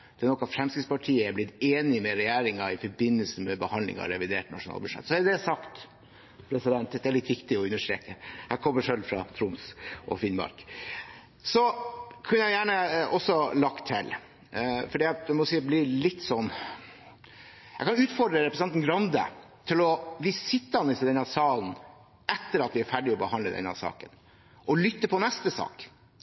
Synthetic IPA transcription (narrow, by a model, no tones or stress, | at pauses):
d̪̥ɛnɔkːɑfɾɛmskɾɪt̪spɑʈʰiːəɛblɪt̪eːnɪmɛɾɛjæːɾɪŋɑɪfɔɾbɪnːəlsəmɛbəhɑnd̪ɪ̰ŋɑ̰ɾɛʋɪd̪eːʈnɑ̰ʂʊnɑ̰ːlbʉʂɛ̰t̪ːsɔɛd̪ɛsɑkt̪ | pʰɾɛsɪd̪ɛnt̪d̪ɛæɭɪt̪ʋɪkt̪ɪɔʉnːəʂʈɾḛːkəhækʰɔmːəʂœlfɾɑ̰t̪ʰɾʊmsʔɔ̰fɪnbɑ̰ɾk | sɔkʰʉnəjæɪjæːɳəʔɔsːɔlɑkt̪ʰɪ̰l | fɔɖiːd̪ɛmɔsiːblɪlɪt̪ːsɔnː | jæɪkʰɑnʉːt̪fɔɖɾəɾɛpɾəsnɛnn̩ɡɾɑnd̪ə̰ | t̪ʰɪlɔʋiːsɪt̪ːəɑnɪsd̪ɛnɑsɑːln | ɛt̪ːəɾɑt̪ʋɪæɾfæɖɪɔbəhɑnd̪ləd̪ɛ̰nɑ̰sɑ̰ːkən | ʔɔlʏt̪ːəpʰɔnɛst̪əsɑ̰ːk